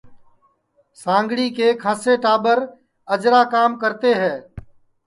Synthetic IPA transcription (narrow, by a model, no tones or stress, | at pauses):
sãːŋɡɽiːkeːkʰaːseːʈaːbəɾ | əd͡ʒɾaːkaːmkəɾt̪eːɦɛ̃ː